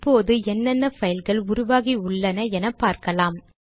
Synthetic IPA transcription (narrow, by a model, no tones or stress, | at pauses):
pːoːðɯɛnːɐnːɐfɐjɪlɣɐɭʊɾʊʋaːɣiʊɭːɐnɐɛnɐpːaːɾkɐlaːm